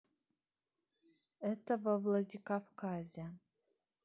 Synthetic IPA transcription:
ɛtʰɐvɐvlˠɐdʲikafkʰazʲa

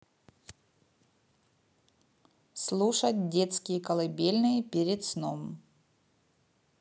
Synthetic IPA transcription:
slˠuʂɐt̚ʲdʲet̪skʲɪjəkɐlˠɨbʲelʲnɨjəpʲeɾʲɪt̪snom

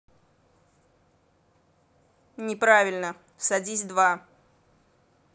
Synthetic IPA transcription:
nʲɪpɾavʲɪlʲnə | sɐdʲizʲd̪va

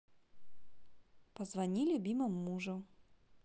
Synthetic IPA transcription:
pɐzvanʲilʲʊbʲimɨmːuʐu

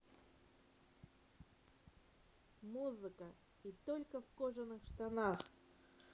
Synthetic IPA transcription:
muzɨkə | it̪olʲkəfkoʐɨnɨxʂt̪anax

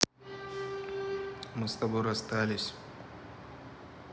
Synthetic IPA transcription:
mɨst̪ɐbojɐst̪alʲɪsʲ

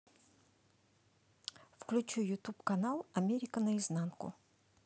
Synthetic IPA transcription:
fklʲʉt͡ɕujʊt̪upkɐnalˠɐmʲeɾʲɪkənəɪznankʊ̰

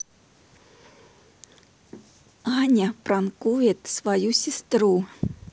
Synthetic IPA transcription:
anʲaprankujet̪svajusʲist̪ɾu

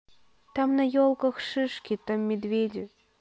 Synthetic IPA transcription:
t̪ɑmnəjolˠkɤ̆xʃɨʃkʲet̪əmʲːed̪vʲedʲɘ

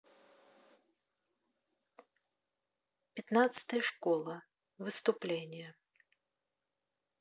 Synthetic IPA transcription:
pʲɪt̪nat̪sɨ̥t̪əjəʂkolˠə | vɨst̪ʊplʲenʲɪjə

